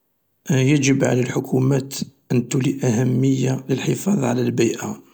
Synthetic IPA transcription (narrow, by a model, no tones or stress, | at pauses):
jæʒəbʕa̰lælħʊkʰumæt̪ʔənt̪uliʔæhæmːəjːaləlħəfɑðˤʕalælbijʔa